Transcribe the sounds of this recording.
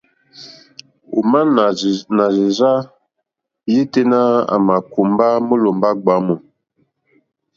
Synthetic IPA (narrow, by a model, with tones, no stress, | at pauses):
ṵ˨ma˦n˨na˨zi˨za˦ | je˦te˦na˦a̰˨ma˨ku˨mba˦mo˦lo˨mba˦ɡ͡ba˨˦mo˨